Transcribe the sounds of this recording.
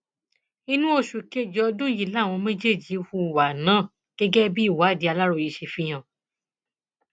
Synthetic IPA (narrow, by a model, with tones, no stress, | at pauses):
i˧nũ˦o˧ʃu˨ke˦˨d͡ʒɔ˨˧dũ˦ji˦˨la˦˨w̃ɔ̃˧mẽ˦d͡ʒe˦˨d͡ʒi˨˦fu˧˨wa˨nãː˨˦˨ | ɡ̥ɛ˦ɡɛ˦bi˦i˦˨wa˨˦˨di˧a˧la˦ɾo˧˨ji˧˦ʃe˧fi˦j̃ã˦˨